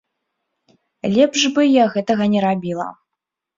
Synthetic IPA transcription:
lʲɛpʐbɨjaɣɛt̪ɐɣɐnʲɛɾabʲilˠɐ̰

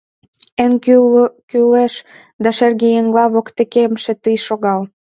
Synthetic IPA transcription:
en | kyleʃ | d̪ɑʃerɣejeŋlɑβokt̪ekemʃĕt̪əjʃoɣɑl

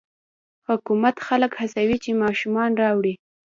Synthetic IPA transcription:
hʊkumat̪xaləkhasawit͡ʃemɑʃumɑnɾɑwɽi

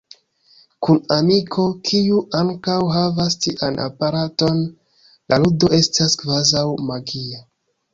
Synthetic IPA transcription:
kunamikʰo̞kʰiuʔaŋkawɦavastiʔanʔa̰paɾato̞n | lʔaludo̞ʔe̞staskvazawmaɡia

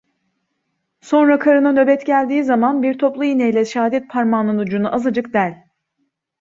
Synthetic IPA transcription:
so̞nɾakʰaɾɯnanø̞bɛt̪ɟælʲd̪iːzamanbiɾt̪ʰo̞plˠuinejlʲɛʃaːd̪ɛt̪̚pʰaɾmanɯnud͡ʒunuʔazad͡ʒɯkd̪ælʲ

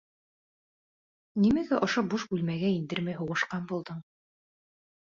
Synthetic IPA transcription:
nimæɡæʔŏʃobuʃbʉlmæɡæind̪ɘɾmæjɦuʁɤ̆ʃqɑnbulˠd̪ɤɴ

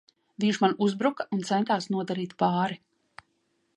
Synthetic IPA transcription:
viɲʃmanuzbɾukaʔunt̪sɛnt̪aːsnuɔd̪aɾiːt̪paːɾi

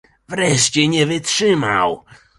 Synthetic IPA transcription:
vɾɛʂt͡ɕɛɲɛvɘtʂɘma̰w

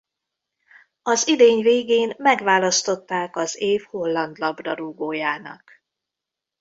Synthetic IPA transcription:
ɒzid̪eːɲveːɡeːnmɛɡvaːlɒst̪o̞t̪ːaːkɒzeːfho̞lːɒnd̪lɒbrɒɾuɡoːjaːnɒ̰k

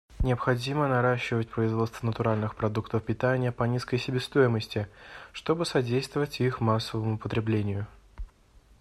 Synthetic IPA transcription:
nʲɪəpxɐdʲimənɐɾaɕːɪvətʲpɾəɪzvo̞t̪st̪vənət̪ʊɾalʲnɨxpɾɐd̪ukt̪əfpʲɪt̪anʲɪjəpɐnʲiskəjsʲɪbʲest̪o̞jɪməsʲtʲɪʂt̪o̞bɨsɐdʲejst̪vəvətʲixmasːəvəmʊpət̪ɾʲɪblʲenʲɪjʊ

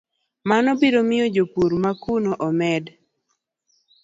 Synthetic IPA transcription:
manɔbeɾomɪjod͡ʒopuɾmakunoʔɔmɛd

